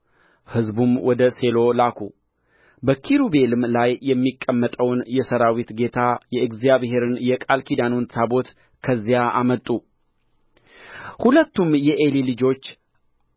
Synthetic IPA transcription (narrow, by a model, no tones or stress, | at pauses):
hɨzbumwɔd̪əse̞lo̞lakʰṵ | bəkʰiɾube̞lɨmlajːɛmːikʼːəmːət̪ʼəwnjɛsəɾawit̪ɡe̞t̪ʰajɛɨɡzijaβhe̞ɾɨnjɛkʼalkʰid̪anonsʰabo̞t̪ | kʰəzːijaamət̪ʼːu | hulət̪ːumjɛʔelilɨd͡ʒo̞t͡ʃː